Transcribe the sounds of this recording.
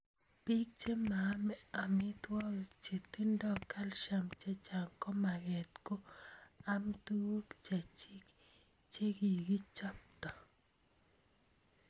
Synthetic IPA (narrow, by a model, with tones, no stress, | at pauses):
pi˦k̚t͡ʃe˦ma˨˦mɛ˦a˨mɪ˦t̪wɔ˦˨t͡ʃe˨t̪i˦ndɔ˦ka˦lʃa˨mt͡ʃe˦t͡ʃa˨ŋkɔ˦ma˨ɣɛ˨t̪ko˦a˦mtu˦wo˦kt͡ʃa˨t͡ʃi˦k | t͡ʃe˦ɡi˨ɡi˦t͡ʃɔ˦p̚tɔ˨